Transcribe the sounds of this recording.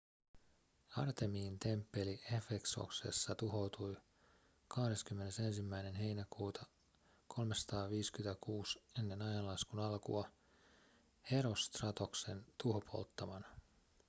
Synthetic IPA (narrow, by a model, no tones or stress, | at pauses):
ɑ̰rt̪e̞miːnt̪e̞mpːe̞liʔefekso̞̰kse̞̰sːɑt̪uɦo̞wt̪uj | kɑhde̞skymːe̞ne̞se̞nsimːæjne̞nɦe̞jnækuːt̪ʰɑ | kʰo̞lmesɑ̥t̪ɑːʋiːskyet̪ækuːse̞nːe̞nɑjɑnlɑskunɑlkṵɑ | he̞ɾost̪rɑt̪o̞kse̞nt̪uɦopʰo̰lt̪ːɑʋɑnɑ